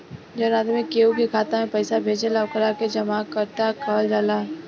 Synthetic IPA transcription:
d͡ʒɐnaːd̪mekeːokekʰaːt̪ãmẽpɐjsabʱeːd͡ʒelaʋkʰəɾaked͡ʒɐmakəɾt̪akʰəld͡ʒaːla

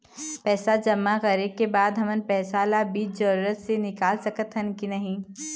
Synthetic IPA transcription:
pɛːsad͡ʒɐmːaɣɐɾib̚kebaːd̪ɦɐmənpɛːsaːlabiːt͡ʃd͡ʒɐɾuːɾət̪senɪkaːlsɐkət̪ʰɦənkinɐɦĩː

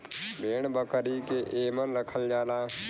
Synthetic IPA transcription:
beːɳ̃bəkəɾikeʔeːmənɾəkʰəld͡ʒaːlaː

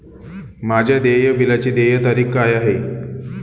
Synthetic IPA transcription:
mad͡ʑʱjad̪ejəbilat͡ɕiːd̪ejət̪aɾiːkːajaɦe

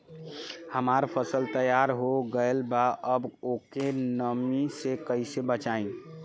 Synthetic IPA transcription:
həmaːɾpʰəsəlt̪əjaɾɦoɡəelbaʔəbokenəmisekəisebət͡ʃaːĩ

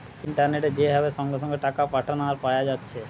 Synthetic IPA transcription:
iɳʈaɾneʈed͡ʑeɦɛbeʃɔŋɡeʃɔ̃ŋɡeʈakapaʈʰanaɾpajad͡ʒatːʃʰe

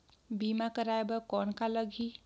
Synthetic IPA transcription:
bimakəɾaebʌkɔnkaləɡʱi

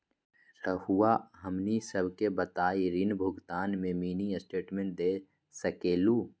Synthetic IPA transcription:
ɾəhuwaɦəmnisəbʱkebət̪aːiɾinbʱʊɡt̪aːnmẽmiːniəsʈeːʈmẽɳʈ̚d̪eː | səkeːluː

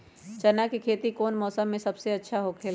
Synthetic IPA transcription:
t͡ʃɐnakikʰeːt̪ikoːnmɔːsəmːẽsɐbseɐtːʃʰaɦokʰeːl

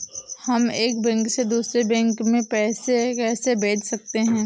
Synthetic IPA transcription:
hɐmeːkbɛ̃ːŋksed̪uːsɾebɛ̃ːŋkmẽpɛːsekɛːsebeːd͡ʒsɐk̚t̪eɦɛ̃ː

